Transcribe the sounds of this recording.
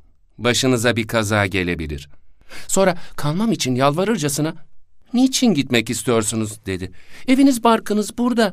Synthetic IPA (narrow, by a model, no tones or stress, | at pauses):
baʃɯnɯzabikʰazaːɟe̞lʲe̞bilʲḭɾ̥so̞nɾakʰalˠmamit͡ʃʰinjalˠvaɾɯɾd͡ʒasɯnanit͡ʃʰinɟit̪mɛcist̪ʰijo̞ɾsunuzd̪e̞d̪ɪe̞vinizbaɾkʰɯnɯzbuɾd̪a